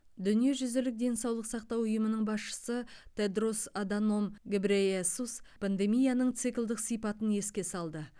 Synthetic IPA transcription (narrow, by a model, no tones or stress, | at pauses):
d̪ʏnije̞ʒʏzɪlɪk̚d̪e̞nsɑwlˠəqsɑq̚t̪ɑwʊjəmənəɴbɑsʃə̥sət̪ʰed̪rosad̪ano̞mɡʲebɾeesuspʰand̪e̞mijanəɴt̪sɨkʲlˠd̪ɪqsijpɑt̪ənje̞skʲe̞sɑlˠd̪ə